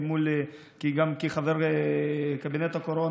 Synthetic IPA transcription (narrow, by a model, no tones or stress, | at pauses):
mul | kiɡamkiχaveɾ | kabinet̪akoɾo